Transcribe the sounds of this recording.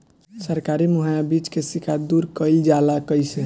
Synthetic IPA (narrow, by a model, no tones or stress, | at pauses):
səɾkaɾimuɦajabit͡ʃkesikʰad̪uɾkəjld͡ʒalakəjsɛ